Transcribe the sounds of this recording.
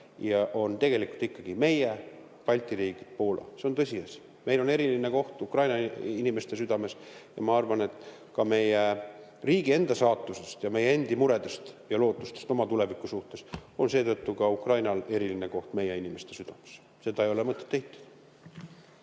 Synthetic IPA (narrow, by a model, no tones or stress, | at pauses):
jɑʔo̞nt̪e̞ɡ̥e̞likult̪ikːɑɡ̥ime̞je | pɑlʲt̪ˑiɾiːɡ̥id̪̥̚po̞ːlɑ̰seo̞nt̪ɤsʲiɑsi | me̞jlo̞neɾilineko̞ht̪ukrɑjnɑinime̞st̪e̞syd̪̥ɑme̞sjɑ̰mɑɑrvɑne̞t̪ːˑ | kɑme̞je | riːɡ̥ie̞nd̪ɑsɑːt̪ːˑuse̞st̪jɑme̞jeend̪imuɾe̞d̪e̞st̪jɑlo̞ːt̪ːˑust̪est̪o̞mɑt̪ule̞vikːˑusuht̪e̞so̞nse̞ːt̪ɤt̪ːukɑukrɑjnɑle̞ɾilineko̞ht̪me̞jeinime̞st̪e̞syd̪̥ɑmes | se̞d̪̥ɑejo̞lemɤt̪ˑːet̪ːejt̪ːˑu̥d̪̥